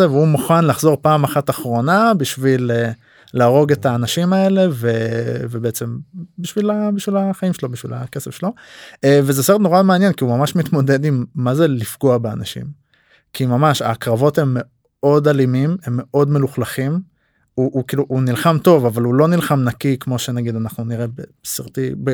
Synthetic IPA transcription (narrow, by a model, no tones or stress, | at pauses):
eveumuχanlaχzo̞ʁpaːmaχataχʁo̞nabiʃvile | laːʁo̞ɡe̞taːnaʃimae̞le̞vevebeet͡se̞mbiʃvilabiʃvilaχaimʃelo̞biʃvḭlake̞sefʃelo̞evezeseʁetno̞ʁameanjenkiumamaʃmit̪mo̞de̞d̪imːazelifɡoabea̰naʃḭm | kʰimamaʃa̰kʁavo̞te̞mːe̞ | o̞dalimime̞mːe̞ʔo̞dme̞luχlaχim | uʔːkiluʔunilχamto̞vavalulo̞nilχamnakikmo̞ʃenaɡid̪anaχnuniʁe̞besiʁtibe